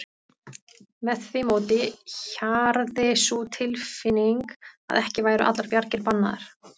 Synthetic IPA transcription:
mɛðθvɪmoːwt̪ɪçaɾðɪsut̪ʰɪlfɪnːiŋka̰ðɛhcɪvaːjɾʏʔa̰t̪laɾpjaɾcɪɾpanːaðɪ̰ɾ̥

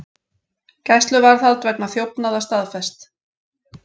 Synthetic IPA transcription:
cɛst̪lʏvaɾθalt̪vɛknaθjowpnaðast̪aðfɛst̪

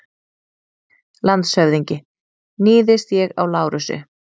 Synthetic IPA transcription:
lant̪shœvðiɲcɪ | niːðɪst̪jɛɣa̰wlaːwɾʏsʏ̰

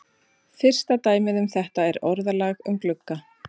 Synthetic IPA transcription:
fɪr̥st̪at̪aːjmɪðʏmθɛht̪aɛɾɔɾðalaːɣʏmklʏkːa

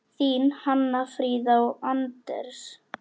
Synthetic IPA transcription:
θiːnhanːafɾiːðawant̪ɛ̰ɾs

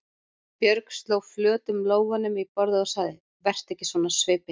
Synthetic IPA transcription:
pjœɾkst̪loːwflœːt̪ʏmloːwvanʏmipɔɾðɪðɔsaːðɪ | vɛr̥t̪ɛhcːɪsvɔːnasvɪːpɪ

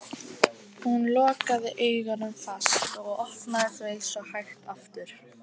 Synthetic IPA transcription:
hunlɔːkaðɪʔeːjɣanʏmfast̪ɔɣɔhtnakvejlsɔhajxt̪aft̪ʏɾ̥

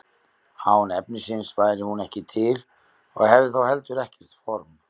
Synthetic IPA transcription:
hawnɛpnɪsɪnspaːjɾɪhunɛhcɪt̪ʰɪl | ɔɣhɛvðɪθawhɛlt̪ʏɾɛhcɛr̥t̪fɔɾm

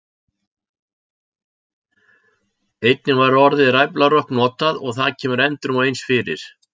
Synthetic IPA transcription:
ejt̪nɪnvaɾɔɾðɪrajplarœhknɔːt̪aðɔɣθaðcʰɛːmʏɾɛnt̪ɾʏmɔejnsfɪɾɪ̰ɾ̥

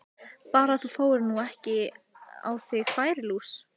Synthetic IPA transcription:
paːɾaθufoːwɪɾnuɛhcɪ | a̰wθɪɣfaːjɾɪluːs

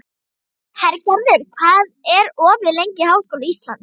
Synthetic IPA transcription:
hɛɾcaɾðɪɾ̥kʰvaːðɛɾɔːvɪðlejɲcɪhaːwskowlaist̪la̰nt̪

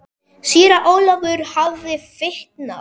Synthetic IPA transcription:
siːɾaʔoːwlavʏɾ̥havːɪfɪht̪na

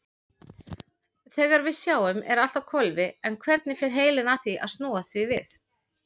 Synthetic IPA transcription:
θɛːɣaɾvɪðsjaːwʏmʔɛ̰ɾal̥t̪awkʰɔlvɪɛnkʰvɛɾt̪̚nɪfɪɾ̥ɦeːjlɪnaθiʔa̰ðst̪nɔːaθvivɪθ

